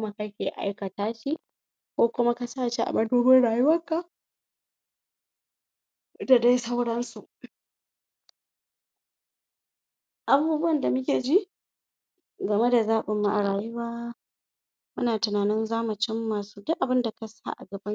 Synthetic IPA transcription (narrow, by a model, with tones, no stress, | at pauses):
ma˦kɐ˦kʲeː˨ʔa̰˦jkɐ˨taː˦ʃi˦ | kʷoː˦kʷʊ˦ma˦ka˦saː˦˨ʃe˦ʔa̰˨mɐ˦doː˦bɪ˦ɽaː˨ju˦wɐ˦ŋkːa˦ | da˨da˦jsa˦wɽɐ˦nsu˨ʔ | ʔa˨buː˦bʊ˦wɐ˦˨nda˨m˦kʲeː˨d͡ʒi˦ʔ | ɡɐ˨me˦da˨zaː˦ɓɪ˨mːa˨ʔa˨ɽaː˨ju˦waː˦ | mʊ˦naː˨tɪ˨naː˨nɪ˦nzaː˦ma˨t͡ʃɪ˦mːaː˨suː˦dʊ˦ʔa˨bɪ˦nda˨ka˦sa̰˦ʔa̰˨ɡɐ˨bɐ˦